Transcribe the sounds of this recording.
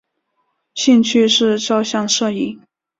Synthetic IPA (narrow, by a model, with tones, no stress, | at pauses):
ɕi˥˧ŋt͡ɕʰy˥˧ʂɻ̩˥˧ʈ͡ʂɑ˥ʊɕjɑ˥˧ŋʂɤ˥˧i˥˩